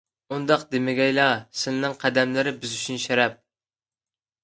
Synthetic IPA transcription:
und̪ɑqd̪emɪɡʲɛjlˠɑsɪnɨnɨŋqʰæd̪ɛmlɪɾɪbyzyt͡ʃʰynʃɛɾɛp̚

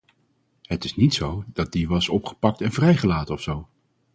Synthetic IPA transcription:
ɦətɪsnitsowdɑt̚diʋɑsɔpχə̥pɑk̚tɛnvrɛjχəlaːtənɔfsow

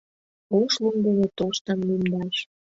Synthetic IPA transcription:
oʃluŋɡəβet̪oʃt̪əmlymd̪ɑʃ

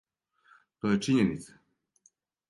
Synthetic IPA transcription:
t̪oːjet͡ʃiɲenit̪sḁ

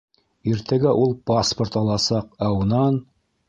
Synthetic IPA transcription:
iɾt̪æɡæʔulˠpasport̪ɑlˠɑsɑqɑwnɑn

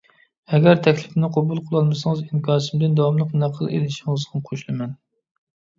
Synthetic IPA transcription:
ɛɡʲɛɾt̪ʰɛkʲlɪpnɪqʰobulˠqʰəlˠɑlˠmɨsɨŋɨziŋkʰʲɑːsɨmɪd̪ɨnd̪ɑwɑmlˠəqnæqʰəlˠḛlɪʃiŋɨzʁɨmqʰoʃlˠɨmɛn

